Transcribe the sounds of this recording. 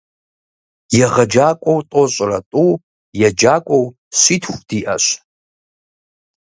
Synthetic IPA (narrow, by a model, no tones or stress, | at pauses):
jɛʁɐd͡ʒaːkʷʼowtʼoɕʼrɐtʼu | jɛd͡ʒaːkʷʼow | ɕʷitʰxʷd̥iːʔɐɕ